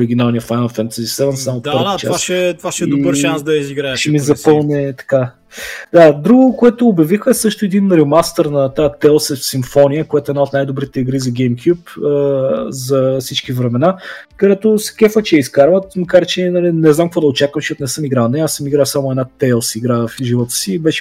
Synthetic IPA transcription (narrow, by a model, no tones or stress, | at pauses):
ɾiɡʲinalˠnijəfajnəlˠfɛnt̪əzisɛvənsːamot̪pɤɾvət͡ʃsɛt̪vaʃɛiobəɾʃansd̪ɐiziɡɾaɛʃɛmizɐpɤlˠnɛt̪ɐ̥ka | d̪ad̪ɾuɡʊkoɛt̪oːbjɐvixəɛsɤʃt̪ʊɛd̪inɾɛmast̪ɛɾnɐt̪at̪ɛlˠsɛfsimfɔnijəkoɛt̪ʊɛd̪aot̪najd̪obɾit̪ɛiɡɾizɐɡʲɛjmkʲjupəzɐsit͡ʃkivɾɛmɛnakɐd̪ɛt̪ʊskʲɛfət͡ʃɛiskaɾvət̪mɐkaɾt͡ʃɛnɐlinɛznamkvɔd̪ɐot͡ʃakvəmʃɔt̪nɛsɤmiɡɾanɛasəmiɡɾasamʊɛd̪nat̪ɛlˠsiɡɾafʒivɔt̪ə̥siːbɛʃɛ̥